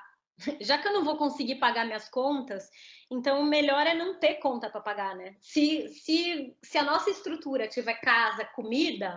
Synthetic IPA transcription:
ʒakɪewnɐ̃w̃vowkõsɪɡipaɡaɾmĩɲɐskõnt̪ɐsẽnt̪ɐ̃w̃meʎɔɾɛnɐ̃w̃t̪eɾkõnt̪ɐpɾɐpaɡaɾnɛsɪsɪsɪɐnɔsɐɪst̪ɾut̪uɾɐt͡ʃivɛkazɐkomid̪ɐ

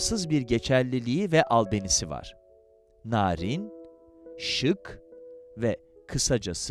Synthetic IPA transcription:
sɯzbiɾɟe̞t͡ʃʰælʲːilʲiivɛʔalˠd̪e̞nisiva̰ɾ̥ | naːɾin | ʃɯk | vɛ | kʰɯsad͡ʒas

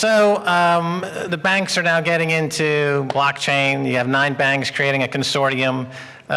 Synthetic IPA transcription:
soʊ | ðɨbæ̃ŋksə˞naʊɡɛɾɪ̃ŋɪ̃ntʰʉblɑk̚t͡ʃʰẽɪ̃njɨːvnãɪ̃nbæ̃ŋkskʰɹ̥ieɪɾɪ̃ŋɨkʰɨ̃n̩sɔɹɾiɨ̃m

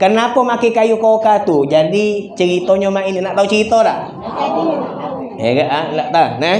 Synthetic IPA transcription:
kənapɔmakekajukokat̪ud͡ʒadit͡ʃəɾit̪ɔɲɔmaininaʔt̪aut͡ʃəɾit̪ɔlaʔ | ḛɡaʔalaʔt̪anə

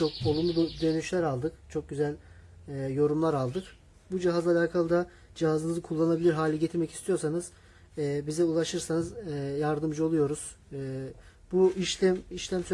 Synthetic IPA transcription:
t͡ʃʰo̞k̚o̞lˠumlˠubd̪ø̞nyʃlʲæɾalˠd̪ɯkt͡ʃʰo̞k̚ɟyzælʲː | jo̞ɾumlˠaɾalˠd̪ɯk | bud͡ʒiɦazalʲaːkʰalˠɯd̪a | d͡ʒiɦazɯnɯzɯkʰulˠːanabilʲiɾɦaːlʲɛɟet̪ʰiɾmɛci̥st̪ʰijo̞ɾsanɯz̥ | ɛbizɛulˠaʃɯɾsanɯzjaɾd̪ɯmd͡ʒɯo̞lˠujo̞ɾuz̥ | buiʃʲmiʃlʲæmsy

